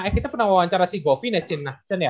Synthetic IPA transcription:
akit̪apənaŋwawaɲt͡ʃaɾasiɡɔfinat͡ʃɪnːat͡ʃanja

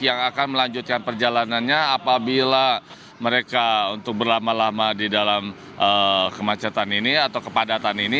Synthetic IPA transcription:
jaŋakanməlaɲd͡ʒʊt̪̚kanpərd͡ʒalananɲaːpabila | məɾekaunt̪ʊk̚bərlamalamadidalam | ʔəkəmat͡ʃat̪aniniat̪awkəpadat̪anini

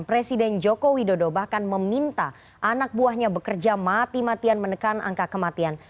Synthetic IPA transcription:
pɾesidɛnd͡ʒokowidodobahkanməmint̪a | ʔanak̚buaɦɲabəkərd͡ʒamat̪imat̪ianmənəkanʔa̰ŋkakəmat̪ian

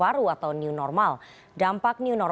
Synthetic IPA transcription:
aɾuat̪awniunɔrmal | dampak̚niunɔr

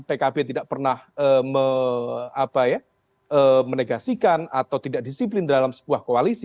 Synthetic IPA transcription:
pekabet̪idaʔpərnahəːmə | apaja | ʔəːməneɡasikana̰t̪awt̪idaʔ̚disip̬lɪndalamsə̥buahkoalisi

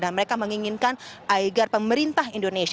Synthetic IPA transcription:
danməɾekaməŋiŋinkanaiɡarpəməɾint̪aɦindones

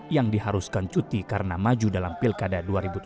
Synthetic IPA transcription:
jaŋdihaɾuskant͡ʃut̪ikaɾənamad͡ʒudalampilkadaduaɾibut̪

